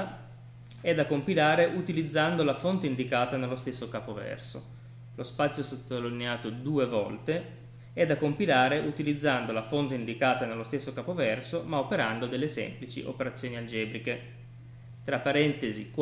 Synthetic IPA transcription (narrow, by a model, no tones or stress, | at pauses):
ɛd̪ːakːompilaːɾeʔut̪ilid̪zːand̪olafont̪eind̪ikaːt̪anelːost̪esːokaːpovɛ̰rso̰ | lospat̪sːjosot̪ːolilineaːt̪od̪uːevɔ̰lt̪e | ɛd̪ːakompilaːɾeʔut̪ilid̪zːand̪olafont̪eind̪ikaːt̪anelːost̪esːokaːpovɛrsomaopeɾand̪od̪elːesɛ̰mplit͡ʃḭʔo̰peɾat̪sːjoːniald͡ʒɛːbɾike | t̪ɾapːaɾɛnt̪ezik